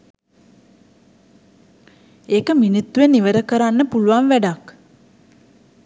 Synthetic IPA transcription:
eːkəminut̪ːuʋenːiʋəɾəkəɾanːəpuluʋanʋæɖak

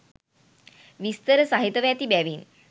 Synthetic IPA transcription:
ʋist̪əɾəsaɦit̪əʋjat̪ibæʋiːn

